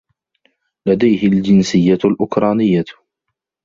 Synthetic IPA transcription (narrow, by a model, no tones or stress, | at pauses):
lad̪ajhɪld͡ʒɪnsɪjːalʔʊkɾˤɑːnɪjːa